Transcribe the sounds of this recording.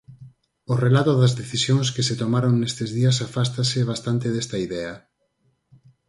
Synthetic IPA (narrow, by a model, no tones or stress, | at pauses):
orelat̪ʊðɐzðeθisjoŋskɪset̪omaɾoŋnest̪ezðiɐsafast̪aseβ̞ast̪ant̪eðɛst̪ɐiðɛɐ